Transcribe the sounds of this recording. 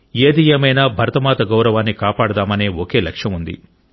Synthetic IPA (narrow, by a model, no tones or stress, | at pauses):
e̞ːd̪ijemɐjnaːbʱɐɾɐt̪ɐmaːt̪ɐɡɐwɾɐʋaːnːikaːpaːɽɐd̪aːmɐneːoke̞ːlɐkʂjɐmund̪ḭ